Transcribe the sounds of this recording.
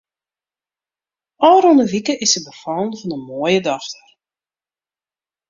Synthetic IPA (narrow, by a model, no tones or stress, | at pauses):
ɔːɾɔndəʋikəʔɪsəbəfɔlˠnvɔnəmoːjədɔxtər